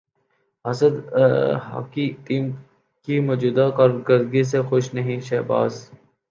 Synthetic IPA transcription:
ɐsəd̪ɦa̰ːkit̪iːm | kimɔːd͡ʒuːd̪akaːɾɡəɾd̪ɡis̬exoʃnɐɦĩʃɛːba̰ːz

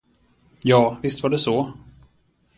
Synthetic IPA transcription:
jɑːvɪst̪vaɖɛsɔ

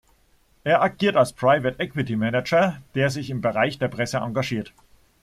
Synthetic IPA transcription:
ʔeːɐʔaɡ̥iːɐtalspʁ̥aɪvətʔɛkwɪtimɛnɛd͡ʒɐd̥eːɐzɪçɪmbəʁaɪçd̥eːɐpʁ̥ɛsəʔa̰ŋɡaʒiːɐt

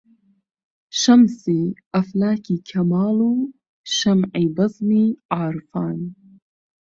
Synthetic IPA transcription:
ʃɐmsiː | ɐflaːkiːkʰɐmaːluː | ʃɐmʕiːbɐzniːʔaːɾfaːn

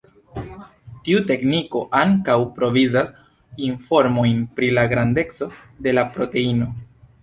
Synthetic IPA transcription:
tiute̞kniko̞ʔaŋkawpɾo̞vizas | info̞ɾmo̞jnpɾilaɡɾande̞t͡so̞ | de̞lapɾo̞te̞ino̞

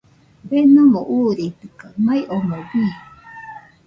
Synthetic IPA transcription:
benumoʔuːɾit̪ɯkamaiʔomoβi

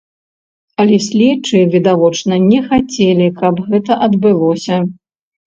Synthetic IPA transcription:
ɐlʲɛsʲlʲɛt͡ʂɨvʲid̪avɔt͡ʂnɐnʲɛxat͡sʲɛlʲikɐbɣɛt̪ɐʔɐd̪bɨlˠɔsʲɐ

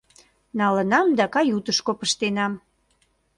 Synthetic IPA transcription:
nɑlənɑmd̪ɑkɑjut̪əʃkopəʃt̪enɑm

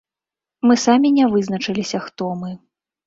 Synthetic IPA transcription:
mɨsamʲinʲɛvɨznɐt͡ʂɨlʲisʲɐxt̪ɔmɨ

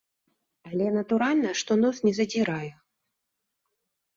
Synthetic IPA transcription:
ɐlʲɛnɐt̪uɾalʲnɐʂt̪ɔnɔsnʲɛzɐd͡zʲiɾaju

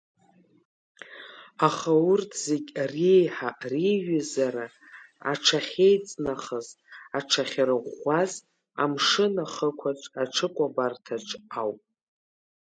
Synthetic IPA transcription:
aχaʊrtʰz̥eɡʲrejħaʔriɥazaɾa | a̰ʈ͡ʂʰaχʲejt͡sʼnaχəz | aʈ͡ʂʰaχʲaɾɨʁʷaz | a̰mʂɨnaχəkʷʰaʈ͡ʂʼaʈ͡ʂʰɨkʷʼabartʰaʈ͡ʂʼawpʼ

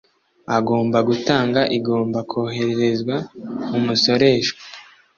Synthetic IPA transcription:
aɡo̞ːmbaɡutaːŋɡaʔiɡoːmbakʰoːɦe̞ɾeɾe̞zɡwamumuso̞ɾe̞ːʃo

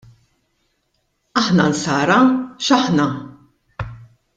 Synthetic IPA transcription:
ɐħnɐnsɐːɾɐʃɐħnɐ

